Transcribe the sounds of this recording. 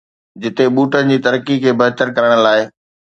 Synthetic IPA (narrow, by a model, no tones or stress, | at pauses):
d͡ʑɪt̪eɓuːʈənɪ̆d͡ʑiːt̪ɐɾəkikʰeːbʱɐɦt̪əɾkɐɾəɽ̃laːɪ